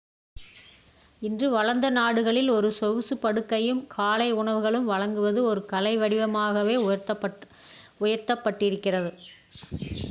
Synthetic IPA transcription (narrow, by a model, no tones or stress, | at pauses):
ɪndrɯʋɐɻɐnd̪ɐnaːɽɯɣɐɭɪlɔɾɯsɔɣɯsɯpɐɽɯkːɐjɯmkʰaːlɐɪʊɳɐʋɯɣɐɭɯmʋɐɻɐŋɡɯʋɐðɯɔɾɯkɐlɐɪʋɐɽɪʋɐmaːɣɐʋeːt̪ | ʊjɐɾt̪ɐpːɐʈːɪɾɯkːɪrɐðɯ